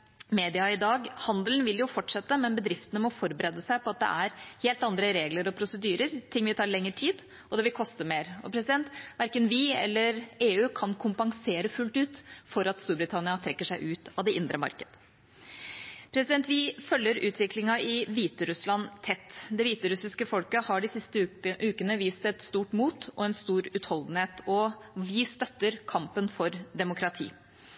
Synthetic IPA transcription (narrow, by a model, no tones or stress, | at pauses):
meːd̪ɪɑɪd̪ɑːɡhɑnd̪ln̩ʋɪljʊfɔʈʂɛt̪ːəmɛnbəd̪ɾɪft̪ənəmɔfɔɾbəɾɛd̪əsæɪpʰɔɑt̪̚d̪ɛ̰ʔæɾheːlt̪ɑnd̪ɾəɾeːɡləɾɔpʰɾʊsəd̪yːɾəɾt̪ʰɪŋːʋɪt̪ʰɑːɾɭɛŋːəʈʰiːd̪ | ʔɔd̪ɛʋɪlkʰɔst̪əmeːɾɔpʰɾɛsɪd̪ɛnt̪ʋæɾkənʋɪɛ̰lːəɾeːʉːkʰɑnkʰʊmpɑŋseːɾəfʉlt̪ʉːt̪fɔɾɑt̪st̪uːɾbɾɪt̪ʰɑnɪɑt̪ʰɾɛkːəʂæɪʔʉːt̪ɑʋd̪ɛʔɪnd̪ɾəmɑ̰ɾkəd̪̥ə | pʰɾɛsɪd̪ɛnt̪ʋɪfœlːəɾʉːt̪ʰʋɪklɪŋɑʔɪʋiːt̪əɾʉslɑnt̪ʰɛt̪ːd̪ɛʋiːt̪əɾʉsɪskəfɔlkəhɑɖɪsɪst̪əʉːkənəʋiːst̪ɛt̪st̪uːʈmuːt̪ɔɛnst̪uːɾʉt̪hɔld̪n̩heːt̪ɔʋɪst̪œt̪ːəɾkʰɑmpənfɔɾd̪ɛmʊkʰɾɑt̪ʰḭː